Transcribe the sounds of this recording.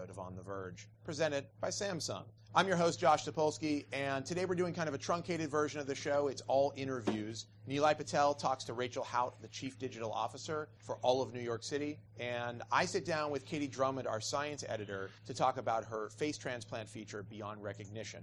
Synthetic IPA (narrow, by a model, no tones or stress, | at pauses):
ʊɾəvn̩ðəvɜ̥˞ʒ̥pʰɹ̥izɛ̃ɾ̃ɨd̚baɪsæ̃msʌ̰̃ŋ | ʔãɪ̃mjə˞ɦoʊstd̥ʒ̥ɑʃsɨpʰolˠskiɨ̃ntʰɨdeɪwəɹdʉɪ̃ŋkʰãɪ̃ndʌvɨtʰɹ̥ʌ̃ŋkʰeɪɾɨdvɜ˞ʒɨ̃nʌvðɨʃoʊɨtsɔlˠɪ̃ɾ̃ə˞vjʉz | nʉlaɪpɨtʰɛlˠtʰɔkstʰəɹeɪt͡ʃl̩ˠhaʊt̪̚ðɨt͡ʃʰifd̥ɪd͡ʒɨɾl̩ˠɔ̰fəsə˞fə˞ʔɔlˠʌvnʉjɔɹksɪɾi | ɨ̃na̰ɪsɪt̚d̥ãʊ̃nwɨð̥kʰeɪɾidɹõʊ̃mɨ̃na̰˞saɪɨ̃nsɛ̰ɾɨɾə˞ɾɨtʰɔkəbaʊt̚ɦə˞feɪstʰɹ̥æ̃nspʰl̥æ̃ntfit͡ʃə˞biɑ̃nd̚ɹɛkɨɡ̚nɪʃɨ̰̃n